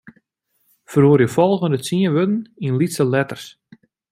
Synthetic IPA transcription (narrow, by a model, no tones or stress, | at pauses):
fəruərjəfɔlˠɣəndət͡siənʋødn̩inlitsəlɛtərs